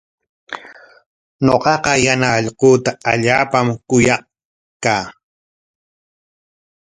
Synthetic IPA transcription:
ɲoqɑqɑjanaʎqoːt̪aaʎaːpamkʊjɑq | kaː

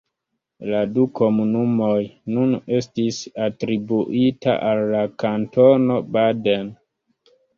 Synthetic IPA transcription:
laduko̞munumo̞jnune̞stisatɾibuʔita̰ʔalːakanto̞no̞baden

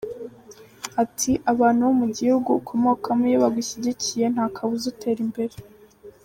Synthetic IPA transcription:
atʰiʔaβaːn̥huwomuɟihuɡukʰomo̞kʰamujiβaɡiçiɟicije̞n̥haːkʰaβuzutʰe̞ːɾimbe̞ɾe

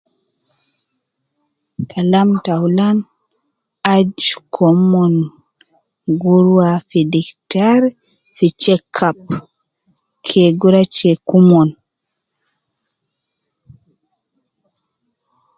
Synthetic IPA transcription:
kʰalamtawlan | ad͡ʒkʰɔmɔn | ɡuɾwafidiktaɾ | fit͡ʃɛkʰːap | kʰɛɡuɾat͡ʃekumɔn

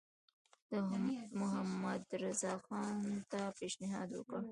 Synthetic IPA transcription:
d̪əmʊɦamːad̪ɾazɑxɑnt̪apeʃnɪɦɑ̰d̪wə̰kəɽ

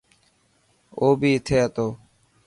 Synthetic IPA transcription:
oːbiːɪt̪ʰeːɦət̪oː

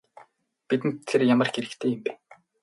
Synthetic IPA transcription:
pit̪ɘ̆nʰerjamə̆rxeɾɘ̆kt̪ʰeːjɪmpæ

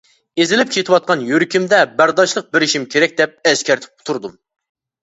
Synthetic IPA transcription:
ezɪlɪp̚kʲʰet̪ʰɪwɑt̪̚qʰɑnjøɾkʲimd̪ɛbæɾd̪ɑʃlˠəq̚bɪɾɪʃimkʲʰeɾɛk̚ʲd̪ɛp̚ɛskʲæɾt̪ʰɪ̥p̚ʊ̥t̪ʰuɾd̪um

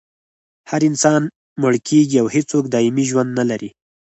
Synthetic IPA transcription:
haɾɪnsɑn | mʊɽkʰeɡiawhet͡sokd̪ɑimiʒwand̪nalaɾi

